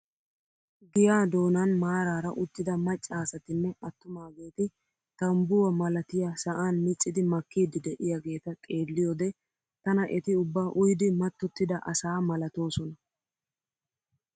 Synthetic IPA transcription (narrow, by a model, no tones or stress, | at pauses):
ɡɪjaːd̪o̞ːnɐnmaːɾaːɾɐʔʊt̪ːɪd̪ɐmɐt͡ʃʼːaːsɐt̪ɪnːɛɐt̪ːʊmaːɡe̞ːt̪ɪ | t̪ɐmbʊwɐmɐlɐt̪ɪjasɐʔaːnmɪt͡sʼːɪd̪ɪmɐkːiːd̪ɪd̪ɛʔɪjaɡe̞ːt̪ɐkʼe̞ːlːɪjod̪ɛ | t̪ɐnɐʔɛt̪ɪʊbːaːʔʊjd̪ɪmɐt̪ːɔt̪ːɪd̪ɐʔɐsaːmɐlɐt̪o̞ːsɔnɐ